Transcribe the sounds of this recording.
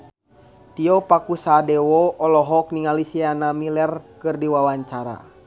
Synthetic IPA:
t̪iɔpakusadɛwɔɔlɔɦɔk̚niŋalisianamilɛrkɨrdiwawaɲt͡ʃaɾa̰

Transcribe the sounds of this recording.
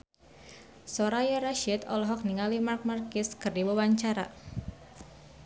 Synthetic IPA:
sɔɾajaɾaʃit̪ɔlɔɦɔk̚niŋalimark̚markɪskɨrdiwuwaɲt͡ʃaɾa̰

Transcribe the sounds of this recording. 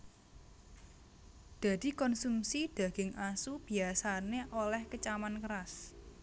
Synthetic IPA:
d̪̥a̤d̪̥i̤kɔnsumsid̪̥ä̤ɡ̥ɪŋʔasub̥i̤asaneʔolɛhkət͡ʃamankəɾas

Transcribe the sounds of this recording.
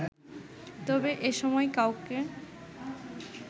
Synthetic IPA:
t̪ɔbeʔeʃɔmɔekawke

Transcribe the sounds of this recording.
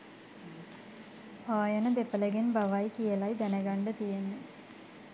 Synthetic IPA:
aːjənəd̪epələɡenbaʋajkijəlajd̪ænəɡaɳɖət̪ijenə

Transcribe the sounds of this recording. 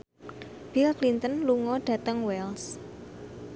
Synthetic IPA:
b̥ilaklint̪ənluŋɔɖ̥ä̤t̪əŋwɛls

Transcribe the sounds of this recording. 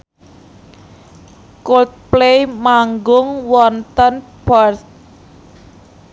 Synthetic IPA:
kolt̪̚plejmaŋɡʊŋwɔnt̪ənbɔrt

